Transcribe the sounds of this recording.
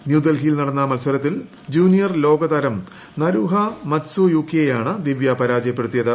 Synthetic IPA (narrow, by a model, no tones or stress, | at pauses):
njuːd̪ɐlɡijilnɐɽɐnːɐmɐlswɐɾɐt̪̬ːil | d͡ʑuːnijɐrlo̞ːɡɐd̪ɐːɾɐm | nɐɾuːɦɐmɐtsujuːkːjejaːɳɨd̪iʋjɐpɐɾaːd͡ʑɐjɐpːe̞ɽut̪ːijɐðɨ